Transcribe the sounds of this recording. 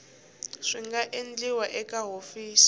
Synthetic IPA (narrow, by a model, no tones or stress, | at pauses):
ʂiŋɡaʔend͡ɮiwaʔɛkʼaɦofiːsi̥